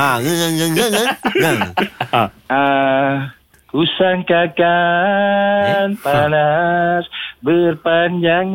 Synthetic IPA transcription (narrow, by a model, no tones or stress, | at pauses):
aŋaŋaŋaŋaŋaɡa | a | kusaŋkaka | npanasbərpaɲd͡ʒaŋ